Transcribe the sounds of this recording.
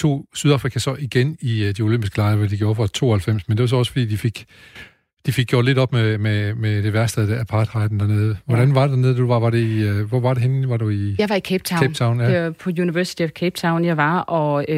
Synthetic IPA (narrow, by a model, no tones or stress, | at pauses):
t͡sʰo̝̰ːsyð̞ˠɑ̈ːfʁikʰæsɒ̽ʔiɡ̥eniəd̥io̝lømb̥isɡ̥əlɑ̈ɪɐʋæd̥iɡ̥jo̝ːɐfɒ̽t͡sʰo̝̰ːɐhælfem̰smend̥e̝ʋɑs̬ɒ̽ɒ̽sfɒ̽d̥ḭːd̥ife̝ɡ̥ | d̥ife̝ɡ̥ɡ̥jo̰ːle̝ɾɒ̽b̥mememed̥e̝ʋæɐsd̥eðˠd̥ææpʰɑ̈ːd̥ʁɑ̈ɪd̥n̩dæɐne̝ːð̞ˠəʋɒɾ̥ænʋɑ̈ded̥æɐne̝ðˠd̥uʋɑʋɑ̈ɾe̝iʋɒʋɑ̈ɾ̥e̝enʋɑ̈ɾuijɑɪʋɑikʰeb̥̚t͡sʰɑʊen̥t͡sʰɑ̈ʊnjæpʰɒ̽juniʋæɐsi̥t͡sʰiæʋkʰeb̥̚t͡sʰɑ̈ʊnjɑ̈ɪʋɑɒ